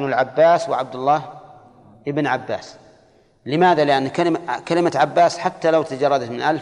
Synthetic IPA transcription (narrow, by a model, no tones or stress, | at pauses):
nalʕabːaːswɪʕab̚d̪ʊlˤːɑːh | ʔɪbnʕabːa̰ːs | lɪmaːðalɪʔanːkalɪmkalɪmaʕabːaːsħat̪ːalawt̪ad͡ʒɑrˤːɑd̪at̪mɪnʔal